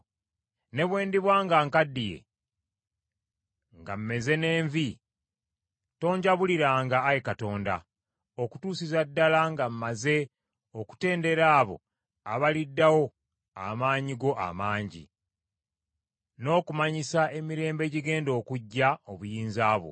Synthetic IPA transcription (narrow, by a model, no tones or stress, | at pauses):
ne̞βwe̞ːndiβwaːŋɡaŋkadːije̞̰ | ŋɡam̩me̞ze̞ne̞ːɱvi | to̞ːɲɟaβuliɾaːŋɡaːjekato̞ːnda̰ | oku̥tuːsizadːalaŋɡam̩maze̞ | oku̥te̞ːnde̞ɾaːβo̞̰ | a̰βalidːawo̞ | a̰maːɲiɡo̞ʔa̰maːɲɟḭ | no̞ːkumaɲisae̞miɾe̞ːmbe̞ɟiɡe̞ːndo̞ːkuɟːaoβujiːnzaːβo̰